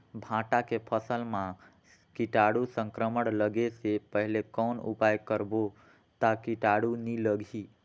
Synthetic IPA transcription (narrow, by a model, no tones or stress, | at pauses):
bʱãʈakepʰəsəlmã | kiʈaɽusə̃ŋkɾəməɽləɡesepəɦilekənṵpajkəɾbo | t̪akiʈaɽuniləɡʱi